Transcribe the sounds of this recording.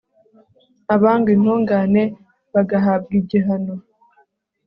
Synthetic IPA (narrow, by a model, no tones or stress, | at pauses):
aβaːŋɡin̥huːŋɡaːne̞ | βaɡaɦab̚ɡiɟiɦano